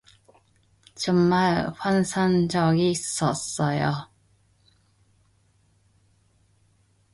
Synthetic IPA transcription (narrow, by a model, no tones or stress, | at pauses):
t͡ɕʌŋmaɭɸwansʰaŋd͡ʑʌɡiːs͈ʌs͈ʌjo